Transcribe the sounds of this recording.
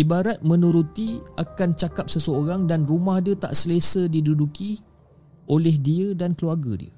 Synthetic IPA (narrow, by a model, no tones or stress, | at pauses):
ʔibaɾat̪̚mə̃nũɾut̪iakant͡ʃakap̚səsəoɾaŋdanrumahdiət̪a̰ʔsələsədiduduki | ʔolɛhdiədankəluarɡə̰dḭə̰